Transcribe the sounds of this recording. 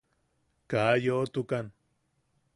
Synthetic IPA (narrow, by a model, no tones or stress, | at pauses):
kajoʔt̪ukan